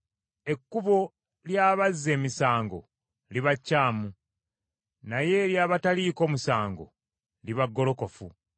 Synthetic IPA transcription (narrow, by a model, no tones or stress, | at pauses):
e̞kːuβo̞ | ljaːβazːe̞ːmisaːŋɡo̞̰ | liβacːaːmu | naje̞ːɾjaːβataliːko̞ːmusaːŋɡo̞̰ | liβaɡːo̞lo̞ko̞fṵ